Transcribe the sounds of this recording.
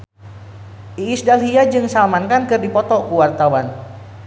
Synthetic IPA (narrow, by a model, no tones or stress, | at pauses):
ʔiːsdalɦiad͡ʒɨŋsalmankankɨrdipɔt̪ɔkuwart̪awan